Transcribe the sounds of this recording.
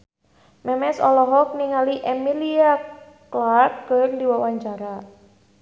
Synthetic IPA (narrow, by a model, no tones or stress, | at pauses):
mɛmɛsɔ̰lɔɦɔk̚niŋaliʔɛmilia | klarkːərdiwawaɲt͡ʃaɾa